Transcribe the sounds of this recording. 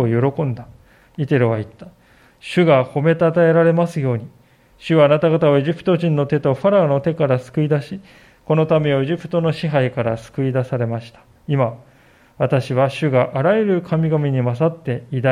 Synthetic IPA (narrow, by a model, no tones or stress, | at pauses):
ojo̞ɾo̞kõ̞nd̪a | it̪e̞ɾɯβait̪ːḁ | ɕɨɡaho̞me̞t̪at̪ae̞ɾaɾe̞masɨjo̞ːɲ̟i | ɕɨβaːnat̪aɡat̪aoe̞ʑipɯ̥t̪o̞ʑĩnːo̞t̪e̞t̪o̞ɸaɾaono̞t̪e̞kaɾasɨ̥kɯ̟id̪aɕi | ko̞no̞t̪ame̞o̞e̞ʑipɯ̟̥t̪o̞no̞ɕiɦaikaɾasɨ̥kɯ̟id̪asaɾe̞maɕi̥t̪ḁ | ima | βat̪aɕiβ̞aɕɨɡaʔaɾaeɾɯ̟kʰamʲiɡamʲiɲ̟imas̬at̪ːe̞id̪a